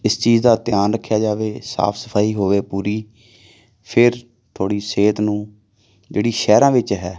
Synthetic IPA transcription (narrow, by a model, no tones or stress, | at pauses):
ɪst͡ʃiːzd̪aːt̪ɪjaːnɾəkʰːjaːd͡ʒaːʋeːsa̰ːpʰsəpʰaːiːɦoːʋeːpuːɾiː | pʰɪɾ | t̪ʰoːɽiːseːt̪nũː | d͡ʒeːɽiːʃɛːɾãːʋɪt͡ʃɦɛː